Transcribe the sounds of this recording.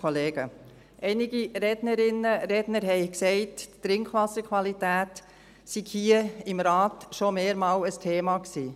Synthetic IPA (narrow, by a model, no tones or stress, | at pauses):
ɔleːɡ̥ə | ʔɛɪnɪɡiɾɛdnəɾɪnəɾɛdnəɾɦɛɪksɛɪtːtɾɪŋkʰʋɑsəkʰʋɑlitæːt | siɡ̥hiəɪmɾɑːtʃomeːɾmɑːləstʰeːmɑksiː